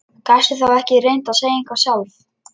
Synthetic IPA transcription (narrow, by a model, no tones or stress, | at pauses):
kajst̪ʏθawɛhcɪrejn̥t̪aseːjeŋkvḁsjawθ